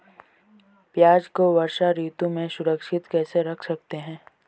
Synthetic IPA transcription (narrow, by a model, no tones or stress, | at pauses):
pjaːd͡ʒkoʋɐɾʃaɾiːt̪ũmẽsʊɾəkʃɪt̪kɛːseɾɐkʰsɐk̚t̪eɦɛ̃ː